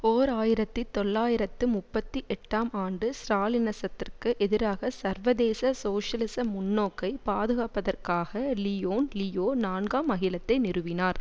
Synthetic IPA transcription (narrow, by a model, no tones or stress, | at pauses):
oːɾaːjɪɾɐt̪ːit̪ɔlːaːjɪɾɐt̪ːɯmʊpːɐt̪ːiʔɛʈːaːmaːɳɖɯsɾaːlɪnɐsɐt̪ːɪrkɯʔɛðɪɾaːɣɐsɐɾʋɐðeːsɐsoːʂɐlɪsɐmʊnːoːkːɐɪpaːðɯɣaːpːɐðɐrkaːɣɐlijoːnlɪjoːnaːɳɡaːmːɐɣɪlɐt̪ːɐɪnɪɾɯʋɪnaːɾ